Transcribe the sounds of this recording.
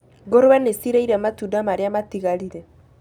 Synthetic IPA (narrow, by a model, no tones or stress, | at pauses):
ɡoɾoɛnesiɾɛiɾamatudamaɾeamat̪iɣaliɾɛ